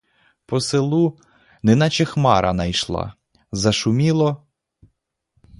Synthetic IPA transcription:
pɔselˠu | nɪnɑt͡ʃexmɑ̰ɾɐnɐjʃlˠɑ̰ | zɐʃʊmʲilˠɔ

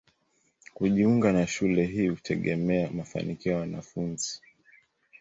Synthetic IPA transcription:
kuʄiuŋɡanaʃulɛɦiːhutʰɛɠɛmɛamafa̰nikiɔwanafunzi

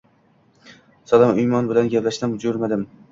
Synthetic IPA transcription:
salˠɒmʊjmɒnbɪlanɡʲaplaʃd̪amʊd͡ʒʊɾmad̪ɪm

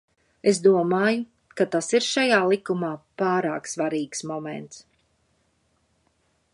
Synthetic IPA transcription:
esd̪uɔmaːju | kat̪asiɾʃajaːlˠikumaːpaːɾa̰ːksvaɾiːksmɔmɛ̰nt̪s

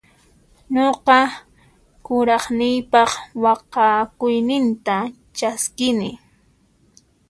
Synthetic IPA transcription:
ɲoqɑ | kʊɾɑχnɪjpɑχwɑqɑkʊjnɪnt̪a | t͡ʃaskɪnɪ

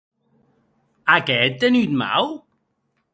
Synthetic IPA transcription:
akɛt̪ːenyt̪ma̰w

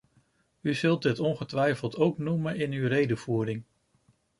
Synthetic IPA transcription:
yzɵlˠt̚dɪtɔnχətʋɛjfəlˠtowknumənɪnywrejdəv̥uːɾɪŋ

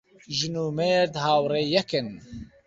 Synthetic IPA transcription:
ʒɨnuːmeːɾd̪haːwreːjɛkɨn

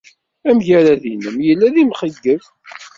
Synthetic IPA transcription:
æmʝæɾæðinəmjəlːæðimχəɡːəv

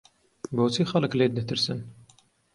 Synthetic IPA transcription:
boːt͡sʰiːxɐlɨkleːd̪ɛt̪ʰɨɾsɨn

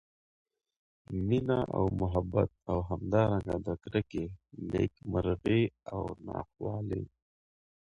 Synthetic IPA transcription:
minaʔa̰wmʊɦabat̪̚awɦamd̪ɑɾaŋɡad̪əkɾakeneːkməɾɣeawnɑ̰ːxwɑːle

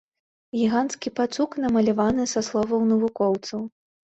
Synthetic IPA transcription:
ɣʲiɣanskʲipat̪suknɐmɐlʲavanɨsɐslˠɔvɐwnɐvukɔwt̪sɐw

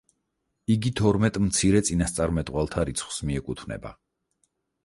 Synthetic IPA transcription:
iɡit̪ʰɔɾmɛt̪ʼmt̪sʰiɾɛt̪sʼinast̪sʼaɾmɛt̪ʼʁʼwalˠt̪ʰaɾit̪sʰχwsmiɛkʼut̪ʰvnɛ̰ba̰

